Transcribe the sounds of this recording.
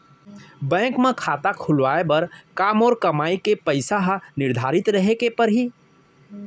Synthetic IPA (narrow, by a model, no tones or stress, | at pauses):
bɛ̃ːkmẽkʰaːt̪akʰʊlʋaːebɐɾkaːmɔːɾkɐmaːikepəɪsaɦnɪɾd̪ʱaːɾɪt̪ɾəɦekepəɾɦi